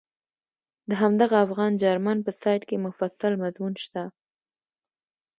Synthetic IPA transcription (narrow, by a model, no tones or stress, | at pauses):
d̪əɦamd̪aɣaːfɣɑnd͡ʒɑɾmanpəsɑjʈkemʊfasalmazmunʃt̪a